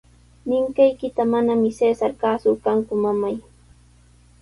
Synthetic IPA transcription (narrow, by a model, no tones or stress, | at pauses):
nɪŋkajkɪt̪amanamɪseːsaɾkaːsʊkaŋkʊmamaj